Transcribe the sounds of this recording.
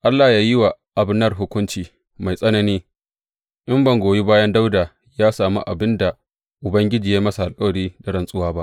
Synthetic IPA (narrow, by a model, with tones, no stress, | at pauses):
ʔa˦lːaː˨jaː˦jɪ˦wa˨ʔa˨bɪ˦nːɐ˦rɦʊ˦kʷʊ˦nt͡ʃiː˨ | ma˨jsʼɐ˦nɐ˦niː˦ | ʔɪ˦mbɐ˨ŋɡʷoː˨ji˦baː˦jɐ˦nda˦wdaː˨ | jaː˦saː˨mṵ˦ʔa˨bɪ˦nda˨ | ʔʊ˨bɐ˦ŋɡʲɪ˦d͡ʒiː˨jaː˦mɐ˦sa˨ʔa˨lkʼɐ˦wɐ˨ɽiː˦da˨ɽɐ˨nsʼʊ˦waː˦ba˦ʔ